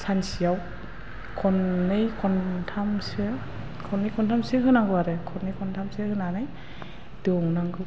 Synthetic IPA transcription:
sʰansiaw | kʰɔnːɯjkʰɔntʰamsɯ | kʰɔnːɯjkʰɔntʰamsɯɦɯnaŋɡɯaɾɯkʰɔnːɯjkʰɔntʰamsehɯnanɯj | dɔŋnaŋɡɯ

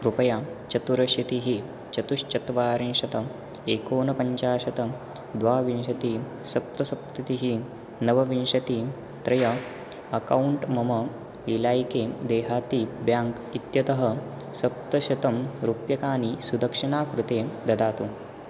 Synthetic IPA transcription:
kɾupɐjaːt͡ʃɐt̪uɾɐʃjɐt̪iɦi | t͡ʃɐt̪uʃt͡ʃɐt̪ʋaːɾenʂɐt̪ɐ | eːkoːnɐpɐɲt͡ʃaːʃɐt̪ɐ | d̪ʋaːʋinʃɐt̪i | sɐp̚t̪ɐsɐp̚t̪ɐt̪iɦi | nɐʋɐʋinʃɐt̪i | t̪ɾɐjɐ | ɐkɐwuɳʈmɐmɐ | ilaːjkeːd̪eːɦaːt̪iːbjaːŋk | it̪jɐt̪ɐɦɐ | sɐp̚t̪ɐʃɐt̪ɐmɾupjɐkaːnisud̪ɐkʂinaːkɾut̪eːd̪ɐd̪aːt̪u

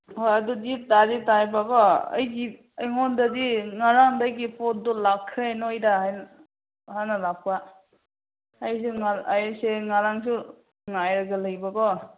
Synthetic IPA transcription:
hojadudidaditajbaɡɔə̰jɡi | əjŋɔndadiŋaɾaŋdajɡipot̚dɔlakʰːɾeajnɔjɾaɦajn | hanalak̚pa | js̬uŋaajseŋaɾaŋs̬u | ŋajɾaɡalajbakɔ

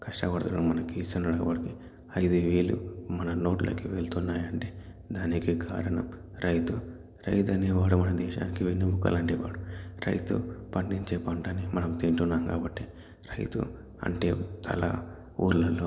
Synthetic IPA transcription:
kɐʂʈɐʋɐɾt̪ɐlɐnmɐnɐkiːst̪ɐnɐɽɐːbɐɽiki | ɐjd̪uʋiːlṵmɐnɐno̞ːʈlo̰ːkiʋeɭt̪unːaːjɐɳʈeː | d̪aːnikiɡa̰ːɾɐnɐm | ɾɐjt̪u | ɾɐjt̪ɐneːʋaːɽumɐnɐd̪ɛːʃa̰ːnikiʋinːibukːɐ̰lɐɳʈeːʋa̰ːɽuɾɐ̰jt̪ṵpɐɳɖiɲt͡ʃeːpɐɳʈɐnimɐnɐmt̪iɳʈunːaːmkaːbɐʈːi | ɾɐjt̪ṵ | ɐ̰ɳʈeːt̪ʰɐ̰la̰ | ṵːɾlɐloː

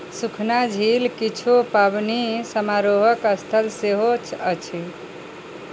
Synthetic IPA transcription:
sukʰnad͡ʒʱilkit͡ʃʰupabnisəmaɾoɦəkəst̪ʰəlseɦot͡ʃʰət͡ʃʰi

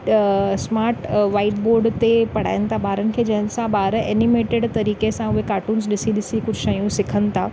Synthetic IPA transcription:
smaːɾʈʋaːɪʈboːɾɖt̪epɐɽ̤a̰ːjənɪ̆t̪ʰabaːɾənɪ̆kʰeːd͡ʑɐɦənɪ̆sãbaːɾeːnɪmeːʈeɖt̪ɐɾiːkesãʊɦekaːʈuːnzɗɪsiɗɪsikʊd͡ʑʱʃɐjũsɪkʰənɪ̆t̪ʰaː

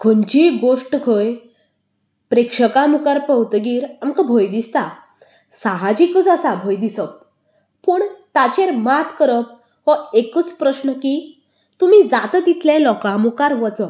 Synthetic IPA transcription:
kʰəɲt͡ɕiɡoʂʈkʰəj | pɾekʂəkamukaɾpəwt̪ɡiːɾamkəbʱojd̪ist̪a | saɦad͡ʑikət͡səsabʱojd̪isəp̚ | pəɳt̪at͡ɕeɾmat̪ʰkəɾəp̚ | ɦɔekət͡spɾəɕnəki | t̪um̤id͡zat̪əd̪it̪lẽlɔkamukaɾʋət͡sə

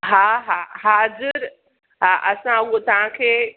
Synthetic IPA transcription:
ɦaɦaɦaːzɪɾ | ɦaʔɐsãɐɠot̪ɐʋ̤ãkʰeː

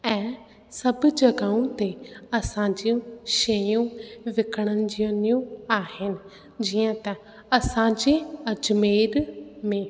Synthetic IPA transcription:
ɛ̃ː | sɐbd͡ʑɐɡaːũt̪eɐsãːɲd͡ʑijũʃejũʋɪkʰəɽ̃ənɪ̆d͡ʑiənijũaːɦɪnɪ̆ | d͡ʑiːə̃t̪ɐ | ɐsãɲd͡ʑeɐd͡ʑmeːɾmẽ

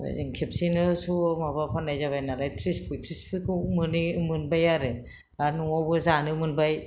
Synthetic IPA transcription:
a̰ziŋkʰepsinɯsumabapʰanːajzaβajnalajtʰɾispʰɯjtʰɾispɯkɯmɯnimɯnbajaɾɯ | anuŋawbɯzanɯmɯnbaj

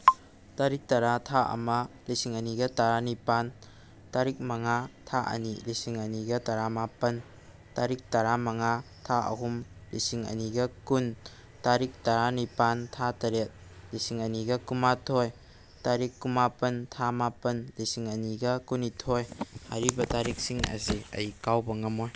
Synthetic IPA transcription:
taɾik̚tɐɾatʰaʔɐ̰mɐ | lisiŋɐniɡɐtaɾanipan | taɾik̚mɐŋatʰaʔɐ̰nilisiŋɐniɡɐtɐɾamapɐn | taɾik̚tɐɾamɐŋa | tʰaʔɐ̰ɦumlisiŋɐ̰niɡɐkun | taɾik̚taɾanipantʰatɐɾet̚lisiŋɐniɡɐkumatʰoj | taɾikːumapɐntʰamapɐnlisiŋɐniɡɐkunitʰojha̰ɾibɐtaɾik̚siŋɐ̰ziɐ̰jkawbɐŋɐmoj

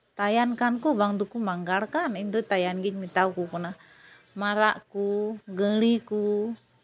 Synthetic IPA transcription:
t̪ajankankubaŋt̪̬ukumaŋɡalkanint̪ut̪ajanɡiɲ̚mit̪aukukuna | maɾaʔkuɡəliku

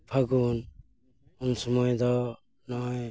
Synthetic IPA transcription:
pʰaɡun | unsɔmɔjd̪ɔ | nɔj

